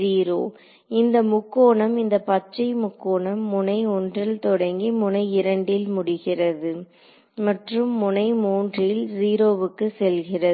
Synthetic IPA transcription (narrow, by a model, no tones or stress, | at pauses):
iːɾoː | ɪnd̪ɐmʊkːoːɳɐmɪnd̪ɐpɐt͡ʃt͡ʃːɐɪmʊkːoːɳɐmːʊnɐɪɔndrɪlt̪ɔɽɐŋɡimʊnɐɪɪɾɐɳɖɪlmʊɽɪɣɪrɐðɯ | mɐʈrɯmːʊnɐɪmuːndrɪlziːɾoːʋɯkːɯsɛlɣɪrɐ